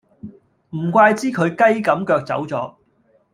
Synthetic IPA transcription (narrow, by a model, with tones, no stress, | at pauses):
m̩˨˩kʷaː˧jt͡siː˥kʰɵ˨˧ɥkɐ˥jkɐ˨˥mkœː˧k̚t͡sɐ̰˨˥wt͡sɔː˨˥